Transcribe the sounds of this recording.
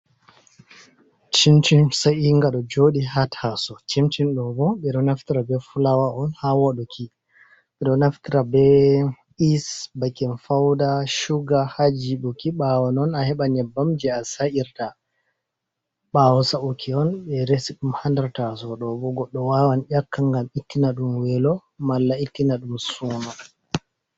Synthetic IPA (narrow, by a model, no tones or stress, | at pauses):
t͡ʃimt͡ʃinsajiŋɡaɗɔd͡ʒoɗihatʰasɔt͡ʃimt͡ʃinɗɔbɔɓɛɗɔnaftiɾabɛfulawaʔɔnhawɔɗɔkʰi | ɓɛɗɔnaftiɾabɛ | isbakɛnfawdaʃuɡahad͡ʒibukiɓawɔnɔnahɛɓaɲɛbːamd͡ʒɛasaiɾta | ɓawɔsaukʰiɔnɓɛɾesiɗumhandaɾtasɔɗɔbɔɡɔɗːɔwawanɗakːaŋɡamitːinaɗumwɛlɔmalːaitːinaɗumsuma